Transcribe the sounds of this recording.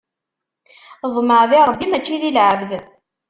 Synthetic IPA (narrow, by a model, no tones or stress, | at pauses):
ðˤməɾðiɾˤəbːimæt͡ʃːiðilʕəvð